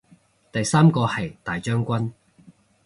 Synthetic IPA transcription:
t̪ɐ˨jsaː˥mkɔː˧hɐ˨jt̪aː˨˩jt͡ʃœː˥ŋkʷɐ˥n

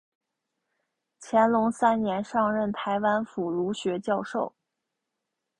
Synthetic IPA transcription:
t͡ɕʰjɛ˧˥nlʊ˧˥ŋsa˥nnjɛ˧˥nʂɑ˥˧ŋɻə˥˩nt̪ʰa˧˥ɪwa˥nfu˨˩lu˧˥ɕɥɛ˧˥t͡ɕjɑ˥˧ʊʂo˥˩ʊ

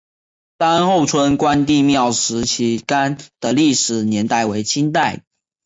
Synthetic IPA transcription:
sa˦nxo˥˨˩ʊt͡sʰwə˦nkwa˦nt̪i˥˧˨mjɑ˥˨˩ʊʂɻ̩˧˥t͡ɕʰi˧˥ka˦nd̪̥ə˨li˥˨˩ʂɻ̩˨˩njɛ˧˥˦nt̪a˥˩ɪwe˧˥ɪt͡ɕʰi˥nt̪a˥˨˩ɪ

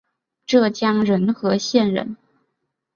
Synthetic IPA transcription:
ʈ͡ʂɤ˥˩t͡ɕjɑ˥ŋɻə˧˥nxɤ˧˥ɕjɛ˥˩nɻə̰˧˥n

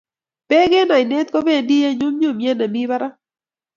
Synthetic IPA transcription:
pɛ˦ɡe˦na˨ɪ˨ne˦t̪̚kɔ˦be˦˨ndi˦je˦ɲʊ˦mɲʊ˦˨mje˦na˨mi˦ba˦ɾa˦

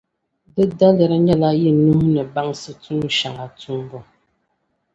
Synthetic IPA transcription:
də˦da˦lɛ˨ɾa˨ɲɛ˦˨la˦ji˦˨nu˦nə˨ba˦ŋsə˦t͡su˦ŋ˦ʃa˨ŋa˨t͡su˦ŋ˦ɡɔ˨

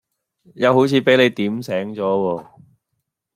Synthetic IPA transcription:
jɐ˨˧wɦo˨˥wt͡sʰiː˨˧pe˨˥jle˨˧jt̪iː˨˥msɛː˨˥ŋt͡sɔː˨˥wɔː˧

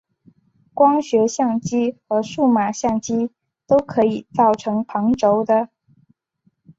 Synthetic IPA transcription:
kwɑ˥ŋɕɥɛ˧˥ɕjɑ˥˩ŋt͡ɕi˥xɤ˧˥ʂu˥˩ma˨˩ɕjɑ˥˩ŋt͡ɕi˥ | t̪o˥ʊkʰɤ˧˥i˨˩t͡sɑ˥˩ʊʈ͡ʂʰɤ˧˥ŋpʰɑ˧˥ŋʈ͡ʂo˧˥ʊd̪ə˧

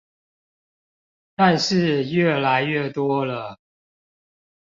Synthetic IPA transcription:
t̪a˥˧nʂɻ̩˥˧ɥɛ˥˩la˨˧˦ɪɥɛ˥˩t̪wɔ˥lə˨

